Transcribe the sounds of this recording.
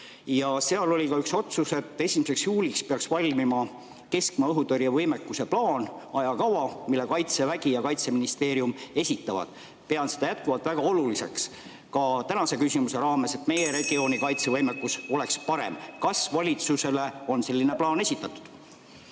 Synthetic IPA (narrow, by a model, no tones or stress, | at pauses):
jɑse̞ɑlo̞lʲikɑykso̞t̪suse̞t̪ːe̞simese̞ksjuːlikspeɑksvɑlʲmimɑ | ke̞skmɑɤɦut̪oɾjɑvɤjme̞kːˑuse̞plɑːnɑjɑkɑwɑmilːekɑjt̪se̞væɡ̥ijɑkɑjt̪se̞minist̪e̞ːɾiume̞sʲit̪ːˑɑvɑ̰d̪̥ | pe̞ɑnsed̪̥ɑjæt̪̚kuvɑlt̪væɡ̥ɑo̞lulise̞̰ks | kɑt̪ænɑse̞kysimuse̞ɾɑːme̞se̞t̪me̞je̞ɾe̞ɡ̥io̞ːnikɑjt̪se̞vɤjmekːuso̞le̞kspɑɾe̞̰mkɑsvɑlʲit̪suse̞le̞o̞nse̞lːine̞plɑːne̞sʲit̪ːˑɑt̪ːˑu̥d̪̥